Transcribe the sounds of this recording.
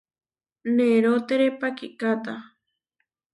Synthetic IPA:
neɾot̪eɾepakiʔkat̪a

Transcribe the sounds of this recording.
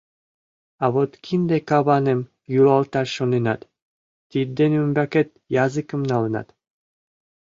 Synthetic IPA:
ɑβot̪kʰind̪ekɑβɑnem | julˠɑlˠt̪ɑɾʃonenɑt̪ː | id̪ːenymbæket̪̚ | jɑzɨkə̆mnɑlɤ̆nɑ̰t̪

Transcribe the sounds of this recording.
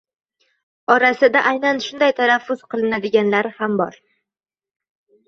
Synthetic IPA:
ɒɾasɪd̪aʔajnanʃʊnd̪ajt̪ʰanafːʊz̥qɨlˠɪnad̪ɪɡʲanlaɾɪhambɒ̰ɾ

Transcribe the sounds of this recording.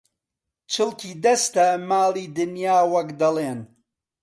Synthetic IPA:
t͡ʃʰɨlkʰiːd̪ɐst̪ɐmaːliːd̪ɨnjaːwɐkd̪ɐlˠeːn

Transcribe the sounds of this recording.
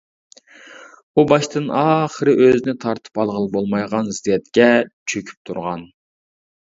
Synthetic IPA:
ubɑʃt̪ʰɨnɑːχəɾɨʔøzɪnɪt̪ʰɑɾt̪ʰɨ̥pɑlˠʁəlˠbolˠmɑjʁɑnzd̪jɛt̪kʲɛt͡ʃʰøkʲʰy̥p̚t̪ʰuɾʁɑn

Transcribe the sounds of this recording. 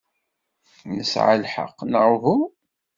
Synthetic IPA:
nəsʕa̰lħə̰qːnəɾvu

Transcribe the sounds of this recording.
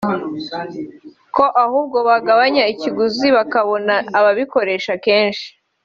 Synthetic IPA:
ko̞ʔahuːbɡo̞βaɡaβaɲaiciɡuziβakaβo̞naːβaβiko̞ɾe̞ːʃake̞ːnʃi̥

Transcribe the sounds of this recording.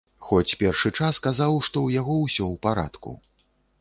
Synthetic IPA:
xɔt͡sʲpʲɛrʂɨt͡ʂaskazawʂt̪ɔwjaɣɔwsʲɔwpaɾa̰t̪kṵ

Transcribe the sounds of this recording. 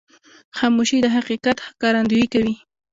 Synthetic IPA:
xɑmuʃid̪əɦaqiqat̪hkaɾand̪uikawi

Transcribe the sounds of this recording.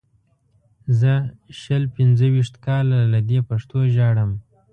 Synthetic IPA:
zəʃəlpɪnzəwiʂt̪kɑlalad̪epaʂt̪oʒɑɽəm

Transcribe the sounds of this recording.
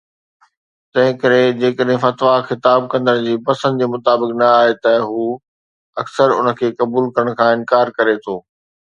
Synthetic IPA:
t̪ɐ̃ɦɪ̃kɐɾẽd͡ʑeːkəɗɦɪ̃fɐt̪ʋaxɪt̪aːb̚kɐ̃nd̪əñd͡ʑiːpɐsə̃nd̪d͡ʑeːmʊt̪aːbɪknɐaːɦet̪ɐɦuː | ɐksəɾʊ̰nə̆kʰeːkɐbuːlkɐɾəɽ̃kʰãːɪ̃nkaːɾkɐɾet̪ʰoː

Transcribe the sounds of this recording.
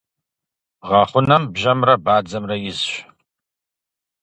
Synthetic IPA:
ʁɐχʷʊnɐmbʒɐmrɐbaːd͡zɐmrɐjɪzɕʷ

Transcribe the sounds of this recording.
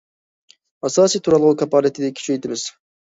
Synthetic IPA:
ɑsɑːsijt̪ʰuɾɑlˠʁukʲʰɑpɑːlˠit̪ʰɪd̪ɪkʲʰi̥t͡ʃʰejt̪ʰɪmɪz̥

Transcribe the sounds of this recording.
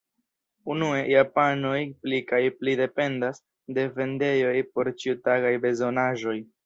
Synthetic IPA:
unue̞japano̞jplikajplide̞pe̞ndas | de̞ve̞nde̞jo̞jpo̞ɾt͡ʃiutaɡajbe̞zo̞naʒo̞j

